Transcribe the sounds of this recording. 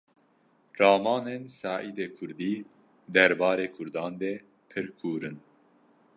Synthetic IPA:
rɑːmɑːnensɑːʔiːd̪eːkʰʊɾd̪iː | d̪ɛɾbɑːɾeːkʰʊɾd̪ɑːnd̪ɛ | pʰɨɾkʰuːɾɨn

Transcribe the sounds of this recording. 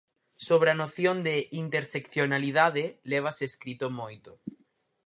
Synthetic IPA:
soβ̞ɾeanoθjond̪eint̪eɾsekθjonalið̞aðeleβ̞aseːskɾit̪omojt̪o

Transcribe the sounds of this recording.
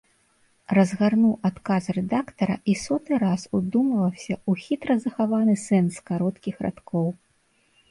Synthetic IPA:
rɐzɣarnuwʔat̪kasrɛd̪akt̪ɐɾɐ̰ʔisɔt̪ɨɾasud̪umɐvɐwsʲɐʔuxʲit̪ɾɐzɐxavanɨsɛnskaɾɔt̪kʲixɾa̰t̪kʰɔw

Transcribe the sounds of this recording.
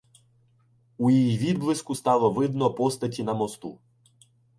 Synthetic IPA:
ujijiʋʲid̪̚blˠɪskʊst̪ɑlˠɔʋɪd̪nɔpɔst̪ɐtʲinɐmɔst̪u

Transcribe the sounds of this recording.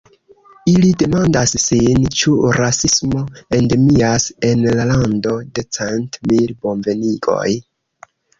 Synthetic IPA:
ilide̞mandasːint͡ʃuɾasismo̞e̞nde̞miase̞nlalando̞de̞t͡sentmilbo̞mve̞niɡo̞̰j

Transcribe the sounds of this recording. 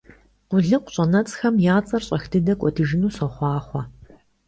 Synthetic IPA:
qʷʊɮɨqʷɕʼɐnɐt͡sʼxɐmjaːt͡sʼɐrɕʼɐxdʰɨdɐkʷʼɔdʰɨʒɪnuːsɔχʷɑːχʷɔ

